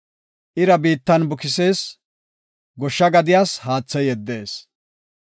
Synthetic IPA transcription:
ʔɪɾɐbiːt̪ːɐnbʊkɪse̞ːs | ɡɔʃːɐɡɐd̪ɪjaːshaːt͡sːɐjɛd̪ːe̞ːs

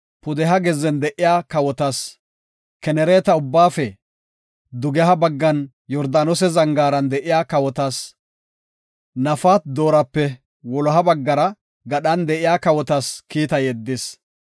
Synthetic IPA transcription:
pʊd̪ɛɦɐɡɛzːɛnd̪ɛʔɪjaːkɐwɔt̪as | kɛnɛɾeːt̪ɐʊbːaːfɛ | d̪ʊɡɛɦɐbɐɡːɐn | jɔɾd̪aːnɔsɛzɐŋɡaːɾɐnd̪ɛʔɪjaːkɐwɔt̪as | nɐfaːt̪d̪o̞ːɾɐpːɛ | wɔlɔɦɐbɐɡːɐɾɐ | ɡɐɗɐnd̪ɛʔɪjaːkɐwɔt̪askiːt̪ɐjɛd̪ːɪs

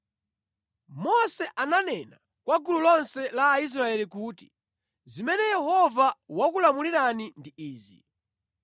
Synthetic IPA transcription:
mɔsɛʔananɛna | kwaɡululɔnsɛlaːis̬ɾaɛlikuːti̥ | zimɛnɛjɛhɔvawakulamuliɾanindiiːzḭ

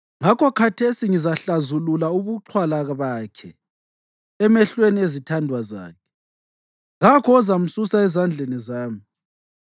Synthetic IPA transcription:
ŋakʰɔkʰatʰesiŋizaɬazululauβuǁʰwalaɣaβaːkʰɛ | ɛmɛɬweniezitʰandʱwaza̰ːkʰɛ̥ | ŋakʰɔɔzam̩susaɛzand͡ɮʱenizaːmi

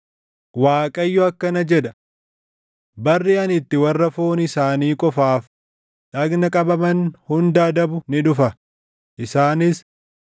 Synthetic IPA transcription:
waːkʼɐjːɔɐkːɐnɐd͡ʒɛd̪ɐ | bɐrːiːɐnɪt̪ːɪwɐrːɐfoːnɪsaːniːkʼɔfaːf | ᶑɐɡnɐkʼɐbɐmɐnhʊnd̪aːd̪ɐbʊnɪᶑʊfɐ | ʔɪsaːnɪs

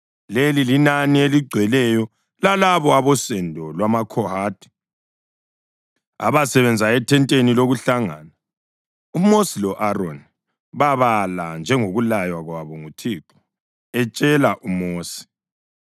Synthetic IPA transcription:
lelilinanieliɡ͡ǀʱwɛlɛjɔ | lalaβɔaβɔsɛndʱɔlwamakʰɔhaːtʰʼi̥ | a̰βasɛβɛnd͡zʱaɛtʰɛntʼeniloɣuɬaŋa̰na | umosilɔʔarɔn | βaβaland͡ʒʱɛŋoɣulajwaɣwaβɔŋutʰiːǁɔ̥ | ɛt͡ʃʼɛlaʔumoːsi̥

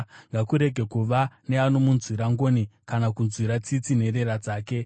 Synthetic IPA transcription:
ŋɡakuɾe̞ɡʱe̞kuʋane̞ano̞munzwiɾaŋɡo̞ːnikanakunzwiɾat͡sit͡sine̞ɾe̞ɾad͡zaːke̞

